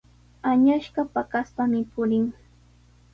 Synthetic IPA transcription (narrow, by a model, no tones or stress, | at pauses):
aɲaʃɢɑpakaspamɪpʊɾɪŋ